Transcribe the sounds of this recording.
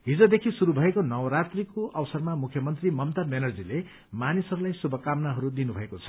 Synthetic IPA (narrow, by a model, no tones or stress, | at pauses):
ɦid͡zod̪ekʰisuɾubʱʌekonʌwɾat̪rikoʔʌwʌsʌrmamukʰjʌmʌnt̪rimʌmt̪amenʌrd͡zile | manisʌɾulajsubʱʌkamnaɦʌɾud̪inubʱʌekot͡sʰʌ̥